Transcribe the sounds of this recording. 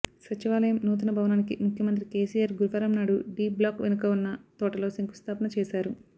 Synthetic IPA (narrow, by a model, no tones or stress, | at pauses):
sɐt͡ʃiʋaːlɐjɐmnuːt̪̬unɐbʱɐʋɐnaːnikimukʰjɐmɐnt̪̬ɾikeːsiːjaːɾɡuɾʋɐɾɐmnaːɽuɖiːblaːkʋenukɐunːɐt̪ɔːʈɐlo̞ːsɐŋku̥st̪ʰaːpɐnɐt͡ʃɛːsaːɾu